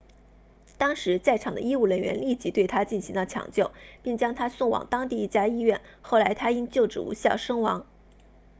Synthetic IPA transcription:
t̪ɑ˥ŋʂɻ̩˧˥t͡sa˥˩ɪʈ͡ʂʰɑ˨˩ŋd̪ə̰˦i˥u˥˩ɻə˧˥nɥɛ̰˧˥nli˥˩t͡ɕi˧˥t̪we˥˩ɪt̪ʰa˥t͡ɕi˥˩nɕi˧˥ŋlə˧t͡ɕʰjɑ̰˨˩ŋt͡ɕjo˥˩ʊpi˥˩ŋt͡ɕjɑ˥ŋt̪ʰa˥sʊ˥˩ŋwɑ̰˨˩ŋt̪ɑ˥ŋt̪i˥˧i˥˩t͡ɕja˥i˥ɥɛ˥˧nxo˥˩ʊla˧˥ɪt̪ʰa˥i˥nt͡ɕjo˥˩ʊʈ͡ʂɻ̩̰˨˩ṵ˧˥ɕjɑ˥˩ʊʂɤ˥ŋwɑ̰˧˥ŋ

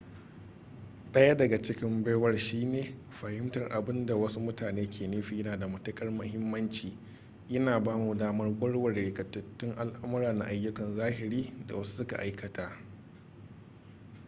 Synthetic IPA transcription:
ɗʼɐ˦jɐ˦dɐ˨ɡa˨t͡ʃɪ˦kʲɪ˦mba˦jwɐ˦rʃiː˦neː˨ | ɸɐ˨hɪ˦mtɐ˨rʔa˨bɪ˦nda˨wɐ˦su˦mʊ˦taː˨neː˦kʲeː˨neː˦ɸiː˨jɐ˦naː˨da˨mɐ˨tɐ˦kʼɐ˦rmʊ˦hɪ˦mːɐ˦nt͡ʃiː˨ | jɐ˦naː˨baː˦mu˨daː˦mɐ˦rɡʷʼʊ˦ɽwɐ˨rɽɪ˨kʼɐ˨tːɐ˨t͡ʃːɪ˦ŋʔa˨lʔa˦mɐ˦ɾaː˨na̰˨ʔa˨jːʊ˦kɐ˨nzaː˦ɦɪ˨ɾiː˦da̰˨wɐ˦su̥˦sʊ˦ka̰˨ʔa˦jkɐ˨taː˦ʔ

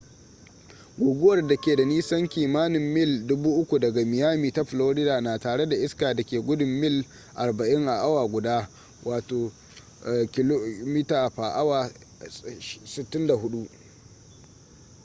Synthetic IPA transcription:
ɡʊ˨ɡʷʊ˦wɐ˦˨rda˨kʲeː˨da˨niː˦sɐ˦ŋkʲiː˨maː˦nɪ˨mːɪ˦˨ldʊ˦buː˦ʔʊ˦kʷu˨dɐ˨ɡa˨mɪ˨jaː˦miː˨ta˦ɸloː˦ɾɪ˦daː˨naː˨taː˨ɽe˦da˨ʔɪ˦skaː˨da˨kʲeː˨ɡʷʊ˦dʊ˨mːɪ˦l | ʔa̰˨rba˨ʔɪ˦ŋʔa˨ʔa˦waː˨ɡʷʊ˨daː˦ | wʔaː˨toː˨ | kʲɪ˦lo˦mi˦taː˨ɸa˨ʔa˦waː˨ | sɪ˨tːɪ˦nda˨hʊ˦ɗu˦ʔ

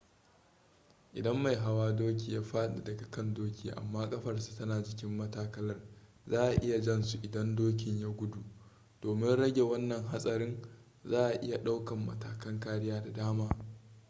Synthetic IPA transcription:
ʔɪ˨dɐ˦mːa˨jɦa˦waː˦doː˦k̬ʲiː˨jaː˦ɸaː˦ɗa˨dɐ˨ɡa˨kɐ˦ndoː˦kʲiː˨ʔa̰˨mːaː˦kʼɐ˦ɸɐ˨rsu̥˨tɐ˦naː˨d͡ʒɪ˨kʲɪ˦mːɐ˦taː˦kɐ˦lɐ˦r | zaː˦ʔa˨ʔɪ˦ja˨d͡ʒɛ˦nsu˨ʔɪ˨dɐ˦ndoː˦k̬ʲɪ˨ɲjaː˦ɡʷʊ˦du˨ | d̥oː˨mɪ˦nɽɐ˦ɡʲe˨wɐ˦nːɐ˨ŋɦa˦sʼɐ˨ɾɪ˦n | zaː˦ʔa˨ʔɪ˦ja˨ɗa˦wkɐ˨mːɐ̰˨taː˨kɐ˦ŋkaː˦ɽɪ˦jaː˦da˨daː˦maː˦

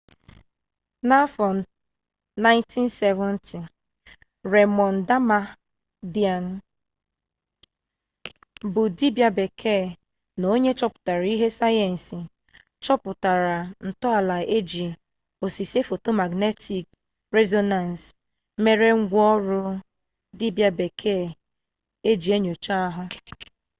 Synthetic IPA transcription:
na˦fɔ˨n˨ | na˦ɪ̃˦ntʰi˦n˦se˦vɔ˦n˦tʰi˨ | ɾe˨mɔ˨n̩˨da˦ma˦ | di˦a˨n˦ | bʊ˨di˦bja˦be˨kʰe˦˨ | no˦ɲe˦t͡ʃɔ˦pʊ̥˨ta˨ɾa˨i˦ɦe˦sa˦jɛ˨n̩˨si˨ | t͡ʃɔ˦pʊ˨ta˨ɾa˨n̩˨tɔ˦a˨la˨e˦d͡ʒi˨ | o˨si˨se˦fo˨to˦ma˨ɡne˦tʰi˨k | ɾe˦zo˦na˨n˨s | me˨ɾe˦ŋ̩˦ɡʷɔ˦ɾʊ˦ | di˦bja˦be˨kʰe˦˨ | e˦d͡ʒi˨e˦ɲo˨t͡ʃa˦a˦ɦʊ˦

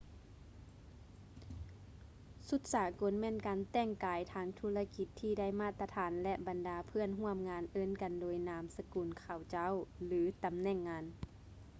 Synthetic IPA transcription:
su˧˦t̪̚saː˨˩˦ko˨˧˦nmɛː˧˥˨nkaː˨nt̪ɛː˧˩˨ŋkaː˨jt̪ʰaː˧˦ŋt̪ʰu˧˩la˧ki˧˥t̪ʰːiː˧˩da˥˨jmaː˧˩t̪ːa˧t̪ʰaː˨˦nlɛ˧ʔba˨ndaː˨˦pʰɯ˧˥˨ənɦu˧˥˨əmŋaː˧nʔɤː˧˥˨nka˨ndoː˨jnaː˨˧˦msa˧kuː˨˩nkʰa˨˩wt͡ɕa˧˥˨wlɯː˨˦t̪a˨mnɛ˧˩˨ŋːaː˧˥n

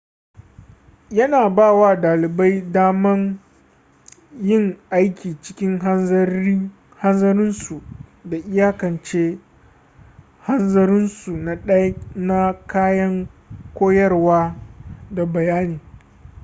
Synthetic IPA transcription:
jɐ˦naː˨baː˦˨waː˦daː˨lɪ˨ba˦jdaː˦mɐ˦ŋ | jɪ˦˨ŋʔa˦jkʲiː˨t͡ʃɪ̥˦kʲɪ˦ŋɦ | ha˦nzɐ˦ɾɪ˦nsu˨da˨ʔɪ˦jaː˦kɐ˨nt͡ʃeː˦ | ha˦nzɐ˦ɾɪ˦nsu˨na˨ɗɐ˦jna˦kaː˦jɐ˦ŋkʷoː˦jɐ˦rwaː˦da˨bɐ˨jaː˦niː˨

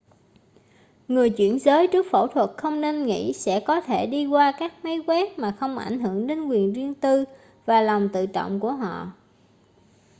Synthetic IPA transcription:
ŋɨ˨˩əjt͡ɕwi˧˩ənzəː˨˦jt͡ɕɨ˦˥ək̚fo̰˧˩t̪ʰwə˨˩t̚xə˧wŋ͡mne˧nŋḭ˧˥sɛ̰˧˥kɔ˨˦t̪ʰe˧˩ɗi˧kwaː˧kaː˦˥k̚mə˨˦jkwɛ˦˥k̚maː˨˩xə˧wŋ͡mʔa̰˧˩jŋ̟ɦɨ˧˩əŋɗe˨˦nkwi˨˩ənzi˧əŋt̪ɨ˧ | vaː˨˩lɔ˨˩wŋ͡mt̪ɨ̰˧˨t͡ɕɔ̰˧˨wŋ͡mku˧˩əɦɔ̰˧˨

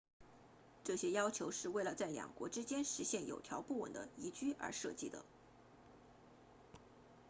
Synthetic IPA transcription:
ʈ͡ʂɤ˥˩ɕjɛ˥jɑ˥ʊt͡ɕʰjo˧˥ʊʂɻ̩˥˧we˥˩ɪlə˩t͡sa˥˩ɪljɑ̰˨˩ŋkwɔ̰˧˥ʈ͡ʂɻ̩˥t͡ɕjɛ˥nʂɻ̩˧˥ɕjɛ˥˩njo˨˩ʊt̪ʰjɑ˧˥ʊpu˥˩wə̰˨˩nd̪ə̰˦i˧˥t͡ɕy˥ʔə̰˞˧˥ʂɤ˥˧t͡ɕi˥˩d̪ə̰˩

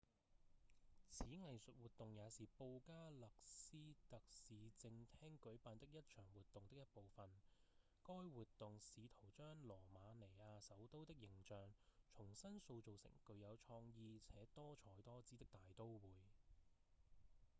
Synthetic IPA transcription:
t͡sʰiː˨˥ŋɐ˨jsɵ˨t̚wuː˨t̪ːʊ˨ŋjaː˨˧siː˨po˧wkaː˥lɐ˨k̚siː˥t̪ɐ˨k̚siː˨˧t͡sɪ˧ŋt̪ʰɛː˥ŋkɵ˨˥ɥpaː˧nt̪ɪ˥k̚jɐ˥t̚t͡ʃʰœː˨˩ŋwuː˨t̪ːʊ˨ŋt̪ɪ˥k̚jɐ˥t̚po˨wfɐ˨n | kɔː˥jwuː˨t̪ːʊ˨ŋsiː˨˧t̪ʰo˨˩wt͡ʃœː˥ŋlɔː˨˩maː˨˧ne˨˩jaː˧sɐ˨˥wt̪o˥wt̪ɪ˥k̚jɪ˨˩ŋt͡ʃœː˨ŋt͡ʃʰʊ˨˩ŋsɐ˥nso˧wt͡so˨wsɪ̰˨˩ŋkɵ˧ɥjɐ˨˧wt͡ʃʰɔː˧ŋjiː˧t͡sʰɛː˨˥t̪ɔː˥t͡ʃʰɔː˨˧˥jt̪ɔː˥t͡siː˥t̪ɪ˥k̚t̪aː˨jt̪o˥wwuː˨˥j

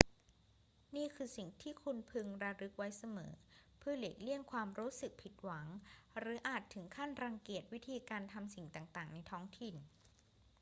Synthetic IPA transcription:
niː˥˩kʰɯː˧si˨˩ŋt̪ʰiː˥˩kʰu˧npʰɯ˧ŋɾa˧ɾɯ˦˥k̚wa˦˥jsa˧mɤ̰ː˩˦pʰɯ˥˩ɐle˨˩k̚li˥˩əŋkʰwaː˧mɾuː˦˥sɯ˨˩k̚pʰi˨˩t̪̚wa˩˦ŋɾɯː˩˦ʔaː˨˩t̪ʰːɯ˩˦ŋkʰa˥˩nɾa˧ŋki˨˩ət̪̚wi˦˥t̪ʰiː˧kaː˧nt̪ʰa˧msi˨˩ŋt̪aː˨˩ŋt̪aː˨˩ŋna˧jt̪ʰɔː˦˥ŋt̪ʰi˨˩n

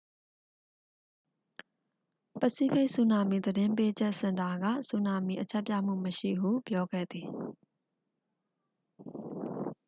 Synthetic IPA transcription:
pə˨si˦pe˦ʔsu˦˨na˨mi˨d̪əɾɪ̃˦mpe˦d͡ʑɛ˦ʔsɪ̃˨nta˨ɡä̰˦˨su˦na˨mḭ˦˨ʔət͡ɕʰɛ˦ʔpjä̰˦˨m̥ṵ˦˨məʃḭ˦˨hṵ˦˨pjɔ˦ɡɛ̰˦˨d̪i˨

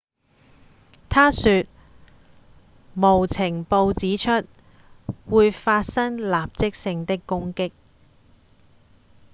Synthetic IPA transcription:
t̪ʰaː˥syː˧t̚ | mo˨˩wt͡sʰɪ˨˩ŋpo˧wt͡siː˨˥t͡ʃʰɵ˥t̚ | wuː˨˧jfaː˧t̚sɐ˥ŋlaː˨p̚t͡sɪ˥k̚sɪ˧ŋt̪ɪ˥kːʊ˥ŋkɪ˥k̚

